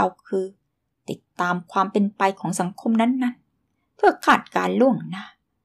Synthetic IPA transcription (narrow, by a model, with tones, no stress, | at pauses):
a˧˩wkʰɯː˧ | t̪i˨˩t̪ːaː˧mkʰwaː˧mpe˧npa˧jkʰɔː˩˦ŋsa˩˦ŋkʰo˧mna˦˥nːa˦˥˨n | pʰɯ˥˩ɐkʰaː˥˩t̪̚kaː˧nlu˥˩əŋna˦˥